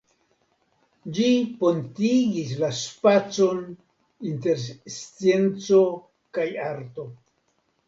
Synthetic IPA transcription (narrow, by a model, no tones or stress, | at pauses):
d͡ʒipo̞ntiɡis̬laspat͡so̞n | inte̞ɾst͡sijent͡so̞ | kajaɾto̞